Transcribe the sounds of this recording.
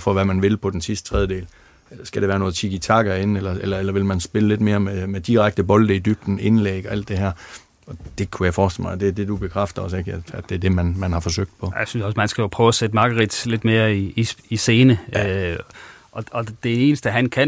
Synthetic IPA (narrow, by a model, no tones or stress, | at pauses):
fɒʋæmænʋe̝lpʰɒ̽d̥ensisd̥ə̥t͡sʰʁɛðˠəde̝̰ːl | sɡ̥æɾ̥eʋæːɐno̽ːð̩ˠt͡sʰiɡ̥it͡sʰɑ̈ɡ̥ɐe̝nelɐelɐelɐʋe̝lmænsb̥e̝ləle̝d̥me̝ːɐmemed̥iʁaɡ̥̚d̥əb̥ɒ̽ld̥əd̥yb̥̚d̥n̩e̝nlḛːɡ̥ɒ̽æl̰d̥e̝ɦæɐ̰ | ɒ̽d̥e̝kʰujaɪfɒːsd̥ḛl̩̰mɑ̈ɪd̥e̝ɐd̥e̝d̥ub̥e̝kʰʁafd̥ɐɒ̽se̝ɡ̥ææd̥e̝æɐd̥e̝mænmænhɑ̈fɒ̽søɡ̥̚d̥pʰɒ̽jaɪsynsɒsmænsɡ̥æjopʰœʊsed̥əmɑ̈ɡ̥əʁid̥le̝d̥me̝ːɐiiise̝ːnə | ʔɒ̽ɒ̽d̥e̝e̝ːnəsd̥əɦænkʰæ